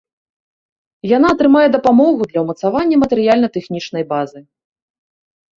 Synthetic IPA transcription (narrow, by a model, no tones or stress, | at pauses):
janaːt̪ɾɨmajɛd̪ɐpamɔɣud̪lʲɐwmɐt̪savanʲːɐmɐt̪ɛɾɨjalʲnɐt̪ɛxnʲit͡ʂn̪ɐjbazɨ